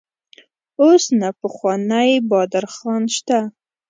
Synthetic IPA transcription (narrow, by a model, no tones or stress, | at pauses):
osnapəxwɑnajbɑd̪aɾxɑnʃt̪a